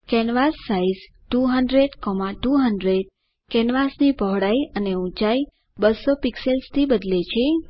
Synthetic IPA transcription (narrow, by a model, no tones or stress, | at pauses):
kɛnʋasːaiz | ʈuɦəɳɖɾeɖkɔmaʈuɦəɳɖɾeɖ | kɛnʋasnibʱɔɦɽaiəneũt͡ʃai | bəsopikselst̪ʰibəd̪let͡ʃʰe